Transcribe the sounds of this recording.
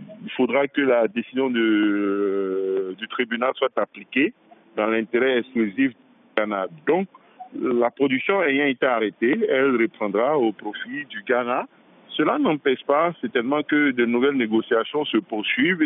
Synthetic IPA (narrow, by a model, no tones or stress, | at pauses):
ilfod̪ʁakəlad̪esizjɔ̃d̪ə | d̪yt̪χibynalswat̪aplike | d̪ɑ̃lɛ̃t̪eʁɛɛksklyzifd̪yɡanad̪ɔ̃k | lapχod̪yksjɔ̃ɛjɛ̃ɛt̪aaʁet̪eɛlʁepχɑ̃d̪ʁaopχofid̪yɡana | səlanɑ̃pɛʃpasɛt̪ɛlmɑ̃kəd̪ənuvɛlneɡosiasjɔ̃səpuʁsɥiv